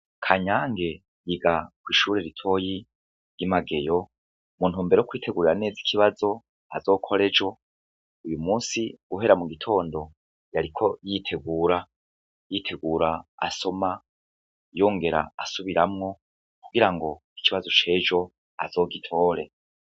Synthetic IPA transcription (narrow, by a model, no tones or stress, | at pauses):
kʰaɲaːŋɡe̞ | jiɡakwiːʃuːɾe̞ɾitʰo̞ji | ɾjimaɡe̞jo̞ | mun̥uːmbeɾookwiːtʰe̞ɡuɾiɾane̞ːzi̥kʰiβazo̞ | azo̞ːkʰo̞ɾe̞d͡ʒo̞ | ujumuːnsiɡuɦe̞ɾamuɡitʰo̞ːndo̞ | jaɾikʰo̞jitʰe̞ɡuːɾa | jitʰe̞ɡuːɾaa̰so̞ma | jo̞ːŋɡe̞ɾa̰asuβiɾamŋo̞ | kuɡiɾaŋɡo̞ | i̥kiβazo̞t͡ʃe̞d͡ʒo̞ | a̰z̥o̞ːɡitʰo̞ːɾe̞